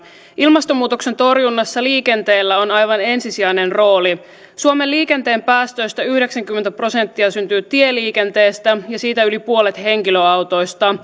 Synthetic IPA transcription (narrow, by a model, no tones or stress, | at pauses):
ilmɑst̪omuːt̪o̞kse̞nt̪o̞rjunːɑsːɑliːke̞nt̪e̞ːlːæo̞nɑjʋɑne̞nsisiæjne̞nro̞ːli | suomelːiːke̞nt̪e̞ːmpæːst̪ø̞jst̪æyhde̞ksæŋkymːent̪æpro̞se̞nt̪ːiɑsynt̪yːt̪ie̞liːke̞nt̪e̞ːst̪æjɑsiːt̪æylipuo̞let̪he̞ŋkiløɑwt̪o̞jst̪ɑ